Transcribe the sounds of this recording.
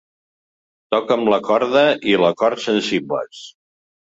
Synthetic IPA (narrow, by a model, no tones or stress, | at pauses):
t̪ɔkəmləkɔɾðəʔiləkɔɾt̪sənsiblə̰s